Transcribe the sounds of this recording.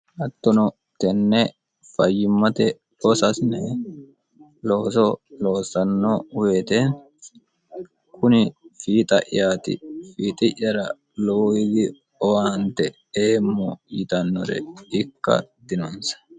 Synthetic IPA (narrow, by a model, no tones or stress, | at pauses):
ʔɐt̪ːɔnɔ | t̪ɛnːɛ | fɐjːɪmːɐt̪ɛ | ɔsɐsnɛ | loːsɔloːsɐnːɔweːt̪eːn | kʰʊnɪfiːt̪ʼɐ̰ʔɪ̰jaːt̪ɪ̰fiːt̪ʼɪʔːɐɾɐ | loːɪɡɪ | ɔwaːnt̪ɛ | eːmːɔjɪt̪ɐnːɔɾɛ̰ɪkːɐ̰d̪ɪnɔnsɐ̥